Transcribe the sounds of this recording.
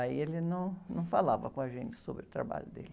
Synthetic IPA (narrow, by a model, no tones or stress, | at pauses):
aielɪnɐ̃w̃nɐ̃w̃falavɐkõɐʒẽnt͡ʃɪ̥sobɾɪʊt̪ɾa̰ba̰ʎʊd̪ḛlɪ